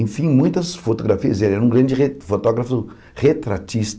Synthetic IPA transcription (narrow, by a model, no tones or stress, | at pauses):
ẽfĩmũj̃t̪ɐsfot̪oɡɾafiɐzelɛũɡɾɐ̃nd͡ʒɪefot̪ɔɡɾɐfʊ | ʁet̪ɾat͡ʃist̪